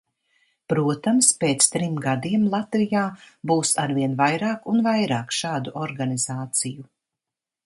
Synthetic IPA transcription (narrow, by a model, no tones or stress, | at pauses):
pɾuɔt̪amspeːt̪st̪ɾimɡad̪iɛmlˠat̪vijaːbuːsaɾviɛnvajɾaːkunvajɾaːkʃaːd̪uʔɔɾɡaniz̥aːt̪siju